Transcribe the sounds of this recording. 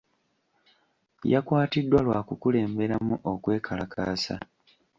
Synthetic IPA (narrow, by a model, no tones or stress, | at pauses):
jakwaːtidːwalwaːkukule̞ːmbe̞ɾamuʔokwe̞ːkʰalakʰa̰ːsa̰